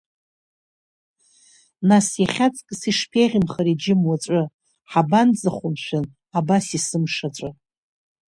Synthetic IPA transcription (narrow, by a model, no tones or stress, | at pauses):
nasjaχʲat͡sʼkʼsiʂpʰeʁʲɪmχaɾid͡ʒɪmwaʈ͡ʂʷʼɨ | ħaband͡zaχʷʊmʃʷᶣan | abasisɨmʂat͡ʃʷʼɨ